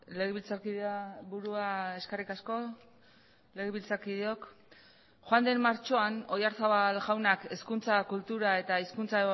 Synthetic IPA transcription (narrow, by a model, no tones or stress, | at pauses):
leɣeβilt͡saɾkiðaβuɾuae̞skarikasko̞ | le̞ɣeβilt͡saɾkiðeo̞k | xoand̪e̞mːaɾt͡ʃo̞ano̞jaɾsaβalɣawnake̞skunt͡sakult̪uɾae̞t̪aiskunt͡sa